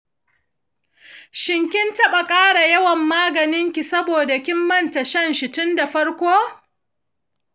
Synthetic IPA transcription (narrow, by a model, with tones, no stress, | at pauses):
ʃɪ˨ŋkʲɪ˦ntɐ˦ɓɐ˨kʼaː˦ɽa˨jɐ˦wɐ˨mːaː˦ɡɐ˨nɪ˦ŋkʲi˨sɐ˦boː˨da˨kʲɪ˦mːɐ˦˨nta˨ʃɐ˦nʃɪ˨tʊ˦nda˨ɸɐ˦ɽkʷoː˦